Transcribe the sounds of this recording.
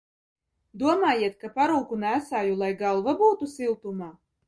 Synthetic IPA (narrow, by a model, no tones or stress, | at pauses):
d̪uɔmaːjiɛt̪̚kapaɾuːkunæːsaːjulˠajɡalˠvabuːt̪usilˠt̪umaː